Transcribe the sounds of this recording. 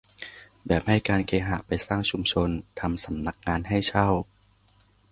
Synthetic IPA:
bɛː˨˩p̚ha˥˩jkaː˧nkeː˧ɦaː˨˩pa˧jsaː˥˩ŋt͡ɕʰu˧mt͡ɕʰo˧nt̪ʰa˧msa˩˦mna˦˥k̚ŋaː˧nɦa˥˩jt͡ɕʰa˥˩w

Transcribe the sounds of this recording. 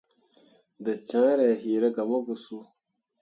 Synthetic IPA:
dɨ˨t͡ʃã˦ɾɛ˨ɦi˨ɾa˦ɡa˨ma˦ɡu˨su˦

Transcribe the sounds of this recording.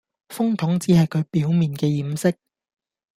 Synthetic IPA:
fʊ˥ŋt̪ʰʊ˨˥ŋt͡siː˨˥hɐ˨jkʰɵ˨˧ɥpiː˨˥wmiː˨nkɛː˧jiː˨˥msɪ˥k̚

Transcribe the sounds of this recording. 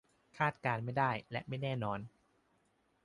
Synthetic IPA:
kʰaː˥˩t̪̚kaː˧nma˥˩jdaː˥˩jlɛ˦˥ʔma˥˩jnɛː˥˩nɔː˧n

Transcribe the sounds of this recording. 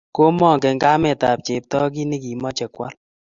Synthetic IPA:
ko˦mɔ˦˨ŋkɛ˨ŋɡa˦mɛ˨ta˨p̚t͡ʃe˨p̚tɔ˦k̬i˦ni˦ki˨mɔ˦t͡ʃɛ˨kwa̰˦l

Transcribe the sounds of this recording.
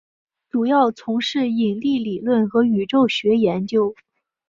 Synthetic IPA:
ʈ͡ʂu˨˩jɑ˥˩ʊt͡sʰʊ˧˥ŋʂɻ̩˥˩i˨˩nli˥˩li˨˩lwə˥˩nxɤ˧˥y˨˩ʈ͡ʂo˥˩ʊɕɥɛ˧˥jɛ˧˥nt͡ɕjo˥ʊ

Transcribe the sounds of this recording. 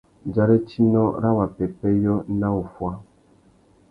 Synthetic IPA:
d͡ʒa˦ɾɛ˦t͡ʃi˦nɔ˦ɾa˦wa˨pɛ˨pɛ˦jɔ˦na˦u˨fwa˦

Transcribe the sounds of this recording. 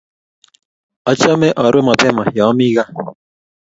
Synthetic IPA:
ɔ˨t͡ʃɔ˦mɛ˦ʔɔ˨ɾwe˦mɔ˨pɛ˦ma˨jɔ˨˦mi˦ɣa˦

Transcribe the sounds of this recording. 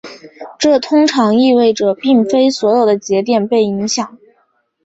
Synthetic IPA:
ʈ͡ʂɤ˥˩t̪ʰʊ˥ŋʈ͡ʂʰɑ˧˥ŋi˥˧we˥˩ɪʈ͡ʂɤ˨˩pi˥˩ŋfe˥ɪswɔ˧˥jo˨˩ʊd̪ə˦t͡ɕjɛ˧˥t̪̬jɛ˥˩npe˥˩ɪi˧˥ŋɕjɑ˨˩˦ŋ

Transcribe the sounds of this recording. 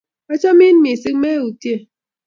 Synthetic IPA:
ɔ˦t͡ʃɔ˦mi˦n˦mi˨sɨ˦k̚me˦u˨tje˦˨

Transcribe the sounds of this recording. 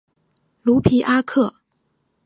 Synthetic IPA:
lu˧˥pʰi˧˥ʔa˥kʰɤ˥˩

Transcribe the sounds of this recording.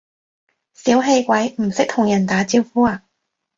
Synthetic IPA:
siː˨˥wɦe˧jkʷɐ˨˥jm̩˨˩sɪ˥k̚t̪ʰʊ˨˩ŋjɐ˨˩nt̪aː˨˥t͡siː˧wfuː˥aː˧

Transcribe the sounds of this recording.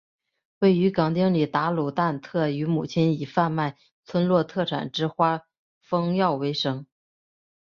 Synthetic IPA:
we˥˩ɪy˧˥kɑ˨˩ŋt̪i˥ŋli˨˩t̪a˧˥lu˨˩t̪a˥˧nt̪ʰɤ˥˩y˧˥mu˨˩t͡ɕʰi˧˥ni˨˩fa˥˧nma˥˩ɪ | t͡sʰwə˥nlwɔ˥˧t̪ʰɤ˥˩ʈ͡ʂʰa̰˨˩nʈ͡ʂɻ̩˥xwa˥ | fɤ˥ŋjɑ˥˩ʊwe˧˥ɪʂɤ˥ŋ

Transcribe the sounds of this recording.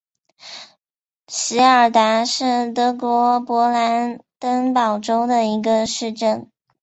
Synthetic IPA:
ɕi˧˥ə˞˨˩t̪a˧˥ʂɻ̩˥˩t̪ɤ˧˥kwɔ˧˥pwɔ˧˥la˧˥nt̪ə˥ŋpɑ˨˩ʊʈ͡ʂo˥ʊd̪ə˨i˧˥ɡə˧ʂɻ̩˥˧ʈ͡ʂə˥˩n

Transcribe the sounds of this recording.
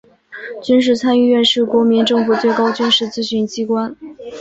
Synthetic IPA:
t͡ɕy˥nʂ̬ɻ̩˥˩t͡sʰa˥ny˥˧ɥɛ˥˧nʂɻ̩˥˩kwɔ˧˥mi˧˥nʈ͡ʂɤ˥˧ŋfu˨˩t͡swe˥˩ɪkɑ˥ʊt͡ɕy˥nʂɻ̩˥˩t͡sɹ̩˥ɕy˥˩nt͡ɕi˥kwa˥n

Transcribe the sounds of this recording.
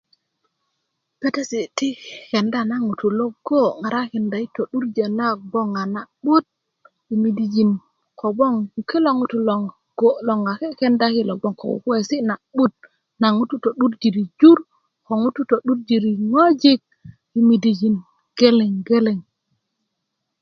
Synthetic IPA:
pe˦te˦si˨ti˦ke˨nda˦˨na˦ŋu˨tu˨lo˦ɡ̥o˦ŋa˨ɾa˦ke˨nda˨i˦to˨ɗu˦ɾd͡ʒe˨na˦bo˦ŋa˨na˨ɓu˦t̚ | i˨mi˨di˨d͡ʒi˨n | kʰo˨bo˦ŋu˨ki˦lo˦ŋu˨tu˨lo˨ŋ˨ɡ̥o˦lo˨ŋa˨ke˦ke˦nda˦ki˦lo˨ɡ͡bo˦ŋko̰˨ṵ˨ke˦˨si˦na˨ɓu˦t̚ | na˨ŋu˦tu˦to˨ɗu˦ɾd͡ʒi˨ɾi˨d͡ʒu˦ɾ | ko˨ŋu˦tu˦to˨ɗu˦ɾd͡ʒi˨ɾi˨ŋo˦d͡ʒi˦k̚ | i˨mi˨di˨d͡ʒi˨n | ɡ̥e˦le˨ŋɡe˦le˨ŋ

